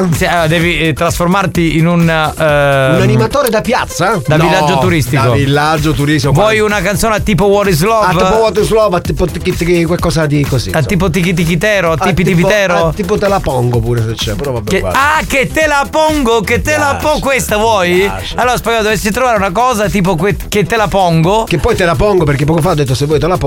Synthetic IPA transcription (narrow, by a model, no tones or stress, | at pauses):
siad̪ɛːvit̪ɾasformart̪iinun | unanimat̪oːɾed̪apjat̪sːad̪avilːad͡ʒːouɾist̪ikovilːad͡ʒːot̪uɾist̪ivwɔjunakant̪soːneat̪ːiːpowɔt̪izlɔab̪ipowɔt̪izlɔbat̪ːiːpot̪ikit̪ikikwekːɔːzad̪ikozḭat̪ːiːp̬ot̪̬ikit̪̬ːik̬it̪ɛːɾoat̪ipit̪ip̬iɛːɾot̪ːiːpot̪elapɔŋɡopuːɾeset͡ʃːɛpɾɔvabeaket̪ːelapɔŋɡoket̪ːelapɔkwest̪avwɔj | alːoːɾaspeɡaːod̪ovesːit̪̬ɾovaːɾeunakɔːzat̪iːp̬okweket̪ːelapɔŋɡokepːɔjt̪elapɔŋɡopeɾkepːɔkofaod̪ːet̪ːosevːɔjt̪elap